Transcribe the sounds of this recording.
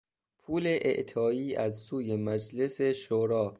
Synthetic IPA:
pʰuːleʔḛʔt̪ʰɒːiːʔæzsuːjemæd͡ʒleseʃoɾɒː

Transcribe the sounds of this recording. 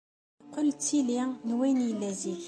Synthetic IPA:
qolt͡sːilinwænijlːæzil

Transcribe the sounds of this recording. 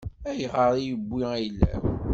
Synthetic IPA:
æjʁəɾˤijəbʷːiæjəlːæ̰w

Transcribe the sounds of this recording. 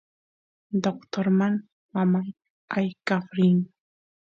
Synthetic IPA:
d̪okt̪oɾmaŋ | mamaj | ajkafɾɪŋ

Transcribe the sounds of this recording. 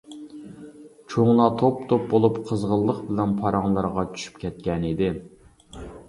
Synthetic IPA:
t͡ʃʰoŋlˠɑt̪ʰopt̪ʰop̚bolˠupqʰəzʁəlˠːəqbɪlɛnpʰɑɾɑŋlˠɑɾʁɑt͡ʃʰy̥ʃy̥pkʲɛt̪̚kʲɛnid̪ɪ

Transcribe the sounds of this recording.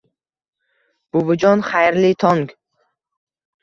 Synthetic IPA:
b̥uvɨd͡ʒɔnχajɾlit̪ʰɔŋɡ

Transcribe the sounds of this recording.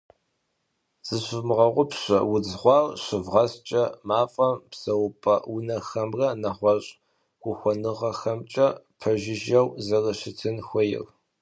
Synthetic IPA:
z̥ɨɕmʁɐʁʷʊpɕɐ̰wʊd͡zʁʷɑːrɕɪvʁɐst͡ʃʼɐmaːfʼɐmpsɐwʊpʼɐ̰wʊnɐxɐmrɐnɐχʷɔɕʼ | ɡ̥ʷʊxʷɔnɨʁɐxɐmt͡ʃʼɐpʰɐʒɪʒɐwzɐrɐɕɪtʰɨnxʷɔjɪ̰r

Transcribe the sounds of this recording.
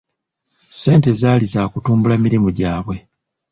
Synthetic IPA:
se̞ːnte̞zaːlizaːkutuːmbulamiɾimuɟaːβwe̞

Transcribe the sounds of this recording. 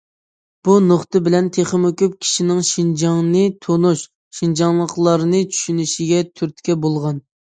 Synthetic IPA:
b̥unoχt̪ɨbɪlɛnt̪ʰeχɪmokʲyp̚kʲʰi̥ʃinɪŋʃind͡ʒɑŋnɨt̪ʰonuʃ | ʃind͡ʒɑŋlˠəqlˠɑɾnɨt͡ʃʰy̥ʃynɪʃiɡʲɛt̪ʰyɾt̪ʰkʲɛbolˠʁɑn

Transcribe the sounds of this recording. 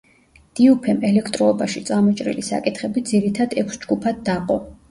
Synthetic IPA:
d̪̥iupʰɛmɛlɛkʰt̪ʼɾɔːbaʃit̪sʼamɔt͡ʃʼɾḭlisa̰kʼit̪ʰχɛbid̪ziɾit̪ʰad̪ɛkʷʰsd͡ʒɡupʰad̪̚ːaqʼɔ

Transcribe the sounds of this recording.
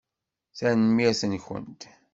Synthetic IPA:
θænmiæsənçə̰nt̪

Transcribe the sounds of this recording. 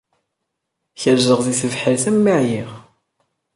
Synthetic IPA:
çəɾʒəʁðiθəvħəɾθəmːiʕjiʁ

